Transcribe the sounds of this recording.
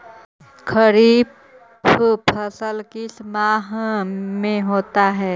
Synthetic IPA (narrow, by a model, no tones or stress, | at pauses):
kʰəɾiːb | pʰəsəlkismaːɦmẽɦoːt̪aɦɛː